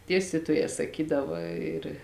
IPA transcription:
ˈdʲiɛsʲtʲiːtuɔjɛː sɐˈkʲiːdɐʋɐ ɪr

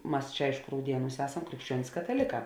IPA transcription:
ˈmɐs ˈt͡ʃʲɛ ˈɐɪʃkʊ rɐʊˈdʲiɛˌnuːs ˈæːsɐm krʲɪkʃʲˈt͡ʃʲuɔnʲɪs kɐtɐˈlʲeːˌkɑː

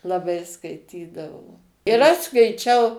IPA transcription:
lˠɐˈbɐɪ skɐɪˈtʲiːdɐʋoː ɪr ˈɐʃ skɐɪˈt͡ʃʲɛʊ

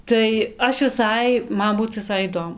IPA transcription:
tɐɪ ˈɐʃ ʋʲɪˈsɐɪ ˈmɐn ˈbuːt ʋʲɪˈsɐɪ iːˈdoːmʊ

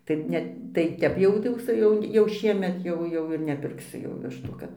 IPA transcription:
tɐɪ ˈnʲɛ tɐɪ ˈtʲɛp jɛʊ tɐɪ ˈjɛʊ sʊ ˈjɛʊ jɛʊ ˈʃʲiɛmʲɛt jɛʊ ˈjɛʊ ɪr nʲɛpʲɪrkˈsʊ jɛʊ ˈʋʲɪʃtuː ˈkɐt

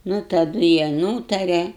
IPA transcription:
nʊ tɐˈdʊ jiɛ ˈnuːtɐrʲɛ

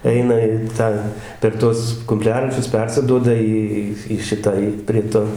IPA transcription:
ˈɛɪnɐ ɪ ˈtɑː pʲɛr ˈtuɔs kʊmʲˈpʲlʲæːrɐt͡ʃʲʊs ˈpʲɛrʲsʲɪduɔdɐ ˈiː ˈiː iː ˈʃʲɪtɑː iː pʲrʲiɛ ˈtoː

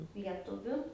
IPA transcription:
lʲiɛˈtʊʋʲʊ

